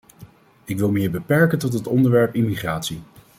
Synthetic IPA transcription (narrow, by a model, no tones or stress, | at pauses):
ɪkʋɪlˠmɪːɹbəpɛɹkəntɔtɦətɔndəɹʋɛɹpimiχraːtsi